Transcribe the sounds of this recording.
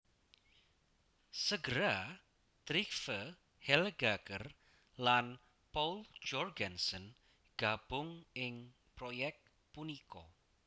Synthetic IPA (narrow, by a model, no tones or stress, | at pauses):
səɡəɾa | t̪ɾikfə | hɛlɡakər | lan | pɔld͡ʒɔrɡansən | ɡ̥ab̥ʊŋɪŋ | pɾojɛk̚t̪ | punikɔ